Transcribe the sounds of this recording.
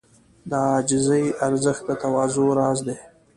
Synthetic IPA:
d̪ɑd͡ʒɪzəjaɾzəxt̪̚d̪ət̪awɑːzoɾɑːzd̪e

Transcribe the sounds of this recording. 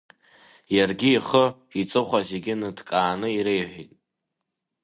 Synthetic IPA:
jarɡʲiːχəit͡sʼɨχʷazeɡʲɪnɨdkʼaːnɨiɾejħʷitʼ

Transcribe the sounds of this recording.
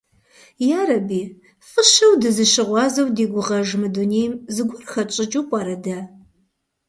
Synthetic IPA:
jaːrɐbiː | fʼɨɕɐwdɨzɨʃɪʁʷɑːzɐwdiːɡʷʊʁɐʒmɨduneːjmzɨɡʷʊrxɐt͡ʃʼɪt͡ʃʼuːpʼɑːɾɐdaː

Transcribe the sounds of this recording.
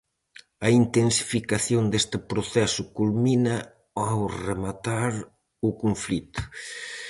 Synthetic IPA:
ɐint̪ensi̥fikaθjond̪est̪ɪpɾoθɛsʊkulminɐ | awremat̪aɾ | ʊkuɱflit̪ʊ̥

